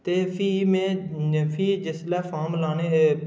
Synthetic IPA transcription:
t̪eːfʰiːmẽːfʰiːd͡ʒɪslɛːfaːmlaːneːɦeː

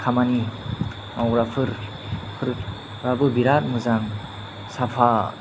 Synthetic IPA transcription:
kʰamani | maɾapʰɯɾ | pʰɯɾ | ɾabɯbiɾat̚mɯzaŋ | sapʰa

